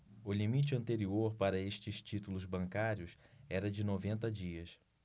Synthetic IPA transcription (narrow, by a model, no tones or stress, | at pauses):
ʊlimit͡ʃɪɐ̃nt̪eɾioɾpaɾɐeʃt͡ʃɪst͡ʃit̪ulʊzbɐ̃ŋkaɾjʊsɛɾɐd͡ʒɪnovẽnt̪ɐd͡ʒiɐs